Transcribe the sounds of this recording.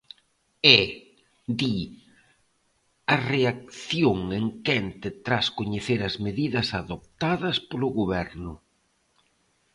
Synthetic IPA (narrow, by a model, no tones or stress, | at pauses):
ɛ | d̪i | ɐreak̚θjoŋeŋkɛnt̪ɪt̪ɾaskoɲeθeɾɐzmeðiðɐsaðop̚t̪aðɐspolʊɣoβɛɾnʊ